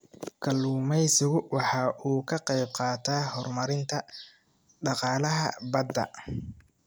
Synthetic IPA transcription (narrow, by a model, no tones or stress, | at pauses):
kʰɐluːmɛjsɪɣʊwɑħɑːʔuːkʰɐqɛjb̚qɑːt̪ʰaːhɔrmɐɾɪnt̪ʰɐ | ɖɑqɑːlɐɦɐ̰bɐd̪ːɐ̰